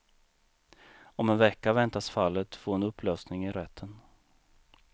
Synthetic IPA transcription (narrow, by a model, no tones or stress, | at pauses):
ɔmɛnvɛkːavɛnt̪asfalːət̪foːɾhʊnɵpʰːløːsnɪŋɪɾɛt̪ʰːən